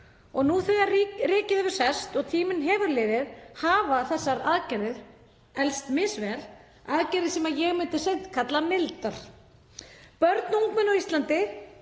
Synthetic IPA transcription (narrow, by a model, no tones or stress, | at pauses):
ɔɣnuθɛðarɪːcɪðʏvʏ̥sɛst̪ɔɣt̪ʰiːmɪnɦɛːvʏɾlɪːðɪðhaːvaθɛsːaɾaðcɛɾɪð | ɛlst̪mɪsvɛl | aðcɛɾɪðsɛmajɛɣmɪnt̪ɪsen̥t̪kʰat̪lamɪlt̪aɾ̥ | pœɾt̪nuŋkmɛnɔist̪lant̪ɪ